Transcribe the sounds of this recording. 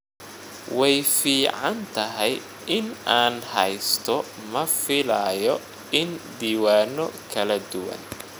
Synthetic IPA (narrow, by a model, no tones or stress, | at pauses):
wɛjfiːʕɑnt̪ʰɐɦɛj | ʔɪnʔaːnhɛjst̪ʰɔ | mɐfɪlajɔ | ɪnd̪iːwaːnɔkʰɐlɐd̪ʊwɐ̰n